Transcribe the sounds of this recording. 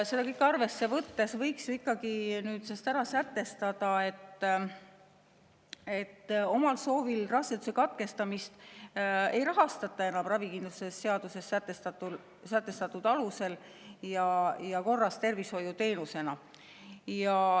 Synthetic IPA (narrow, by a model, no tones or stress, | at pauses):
se̞d̪ɑkɤjkɑrve̞sːe̞vɤt̪ːe̞svɤjksikːˑɑɡ̥inyːd̪̥sest̪æɾɑsæt̪ːˑe̞st̪ɑd̪̥ɑe̞t̪ːˑ | e̞t̪ːo̞mɑlso̞ːvilrɑset̪u̥sekɑt̪̚ke̞st̪ɑmist̪ | e̞jrɑɦɑst̪ɑt̪ːˑɑe̞nɑmrɑvikind̪luse̞sːeɑd̪̥use̞sːæt̪ːest̪ɑt̪u | sæt̪ːˑe̞st̪ɑt̪ːˑud̪̥ɑluse̞l | jɑjɑko̞rːɑst̪e̞rvisho̞jut̪e̞ːnuse̞nɑ | jɑ